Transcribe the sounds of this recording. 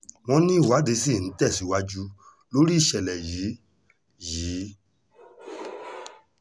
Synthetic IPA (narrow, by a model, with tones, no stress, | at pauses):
w̃ɔ̃˧nĩ˦i˦˨wa˨˦de˨˧˦si˦˨ñ̩˨˦tɛ˦˨si˨˦wa˧d͡ʒu˦ | lo˦ɾi˦˨ʃɛ˨lɛ˨jiː˨˦ | jiː˨˦